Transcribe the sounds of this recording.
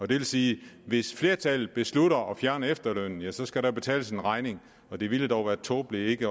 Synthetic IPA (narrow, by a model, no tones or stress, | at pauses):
ɒ̽d̥e̝ʋe̝lsiːʋe̝sfle̝ːɐt͡sʰælð̩ˠb̥e̝sluɾɐʔɒ̽fjæɐnɐefd̥ɐløn̰n̩jæsɒ̽sɡ̥æɾɑb̥e̝t͡sʰɛ̰ːləse̝nʁɑ̈ɪne̝ŋ | ɒ̽d̥e̝ʋiləd̥ɒʊʋæːɐt͡sʰoːb̥lee̝ɡ̥ə